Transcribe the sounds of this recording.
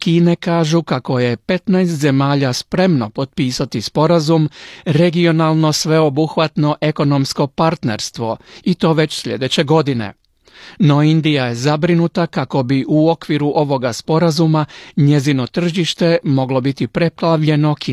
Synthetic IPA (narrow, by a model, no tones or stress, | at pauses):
kiːne̞kaːʒukako̞je̞pe̞t̪najst̪ze̞maːʎaspɾe̞mno̞po̞t̪̚piːsat̪ispo̞ɾazumɾe̞ɡio̞nalˠno̞sʋe̞o̞buxʋat̪no̞ʔe̞ko̞no̞msko̞paɾt̪ne̞̰ɾst̪ʋo̞it̪o̞ːʋe̞t͡ɕsʎʲe̞̰d̪e̞t͡ɕe̞ɡo̞d̪ine̞̰ | no̞ind̪ijaje̞zabɾinut̪akako̞biʔuo̞kʋiɾuʔo̞ʋo̞ɡaspo̞ɾazumaɲe̞zino̞t̪r̩ʒiʃt̪e̞mo̞ɡlo̞bit̪ipɾe̞plaʋʎe̞no̞kiː